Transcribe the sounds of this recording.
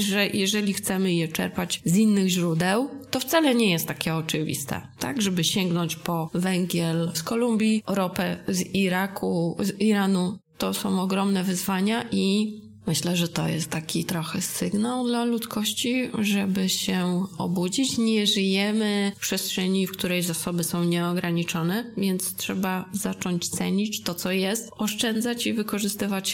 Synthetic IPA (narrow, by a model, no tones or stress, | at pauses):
ʐɛjʔɛʐɛlʲixt̪sɛmɘjɛt͡ʂɛ̰ɾpad͡ʑzinːɘɣʑɾud̪ɛwt̪ɔft̪salɛɲɛjɛst̪ːakʲɛɔt͡ʂɘvʲḭst̪ɛ̰t̪a̰ɡʐɛbɘɕɛŋɡnɔɲt͡ɕpɔvɛŋɡʲjɛlskɔlumbʲjiɾɔpɛziɾakʰuziɾanut̪ɔsɔ̃w̃ɔɡɾɔmnɛvɘzvaɲaʔi | mɘɕlɛʐɛt̪ɔ̰jɛ̰st̪ːakʲʰit̪ɾɔxɛsɘɡnawd̪lalut̪skɔɕt͡ɕiʐɛbɘɕɛɔ̰bud͡ʑit͡ɕɲɛʐɘjɛmɘfpʂɛstʂɛɲifkt̪uɾɛjzasɔbɘsɔ̃w̃ɲɛɔɡɾaɲit͡ʂɔnɛvʲjɛnt̪stʂɛbazat͡ʂɔɲt͡ɕt̪sɛɲit͡ɕt̪ɔt̪sɔjɛst̪ɔʂt͡ʂɛnd̪zat͡ɕivɘkɔʐɘst̪ɘvat͡ɕ